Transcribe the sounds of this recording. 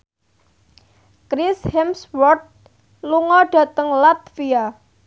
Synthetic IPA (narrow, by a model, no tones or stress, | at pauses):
kɾishɛmswɔrt̪̚ | luŋɔɖ̥ä̤t̪əŋlat̪fia